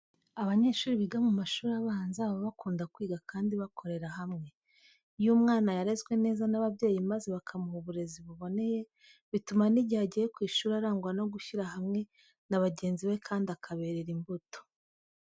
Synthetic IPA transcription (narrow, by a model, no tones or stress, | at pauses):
aβaɲe̞ːʃuːɾiβiɡamumaʃuːɾiaβaːnzaβoβakuːndakwiːɡakʰaːndiβakʰo̞ɾe̞ɾaɦamŋe̞ | jumŋaːnajaɾezɡwe̞ne̞ːzanaβabɟe̞ːjimaze̞βakʰamuhuβuɾe̞ziβuβo̞ne̞je̞ | βitumaniɟihaɟijekwiːʃuːɾaɾaːŋɡwano̞ɡuçiɾahamŋe̞ | naβaɟe̞ːnziβe̞kʰaːndiakʰaβe̞ːɾeɾimbuto̥